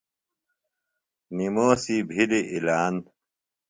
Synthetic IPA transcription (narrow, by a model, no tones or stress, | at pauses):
nimoːsibʱiliʔilaːn